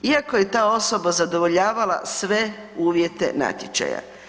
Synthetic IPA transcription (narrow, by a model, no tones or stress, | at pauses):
iako̞je̞t̪aːo̞so̞bazad̪o̞ʋo̞ʎaːʋala̰sʋe̞ | uːʋjet̪e̞̰na̰t̪ʲjet͡ʃa̰ja̰